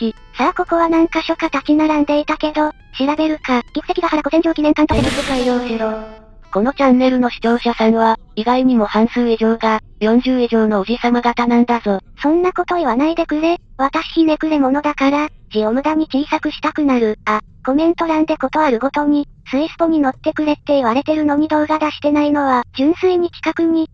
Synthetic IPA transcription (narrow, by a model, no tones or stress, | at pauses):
i | sako̞ko̞βanãŋkaɕo̞kat̪at͡ɕinaɾãnd̪e̞it̪ake̞d̪o̞ | ɕiɾabe̞ɾɯ̟kakʲikɯ̟t̪ekʲiɡ̪ahaɾaɡo̞se̞ɲd͡ʑɨːkʲinẽ̞ŋkãntoekikɯkɯβaio̞ːɕiɾo | ko̞no̞t͡ɕãnːe̞ɾɯ̟no̞ɕi̥t̪o̞ːɕasãɰ̃βa | iɡaiɲ̟imo̞hãɰ̃sɨːiʑo̞ːɡa | jõ̞ɲ̟d͡ʑɨːiʑo̞ːno̞ːʑisamaɡat̪anãnd̪azo̞sõ̞nːako̞t̪o̞iβanaid̪e̞kɯɾe̞βat̪aɕi̥ɲine̞kɯ̟ɾemo̞no̞d̪akaɾad͡ʑiomɯ̟d̪aɲ̟it͡ɕiːsakɯ̟ɕi̥t̪akɯ̟naɾɯ̟a | ko̞mẽ̞nt̪o̞ɾãnd̪e̞ko̞t̪o̞aɾɯ̟ɡo̞t̪o̞ɲ̟isɨisɨ̥t̪o̞ɲ̟ino̞t̪ːe̞kɯ̟ɾe̞t̪ːe̞iβaɾe̞t̪e̞ɾɯ̟no̞ɲ̟id̪o̞ːɡad̪aɕi̥t̪e̞naino̞βad͡ʑɨ̃ɰ̃sɨiɲ̟ikʲi̥kakɯ̟ɲ̟i